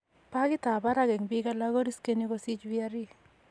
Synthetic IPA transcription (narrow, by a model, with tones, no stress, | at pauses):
pa˦ɡɪ˦t̪a˨ba˦ɾa˦ɡɛ˨ŋbi˦ɡa˦la˦ɡo˦ɾi˦ske˦ni˦ɡo˦si˦t͡ʃwia˦ɾi˦